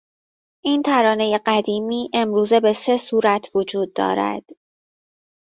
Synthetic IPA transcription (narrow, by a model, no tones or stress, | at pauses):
ʔiːnt̪ʰæɾɒːne̞je̞ɢæd̪iːmiːʔe̞mɾuːze̞be̞se̞suːɾæt̪ʰvo̞d͡ʒuːd̪̚ːɒ̰ːɾæ̰d̪̥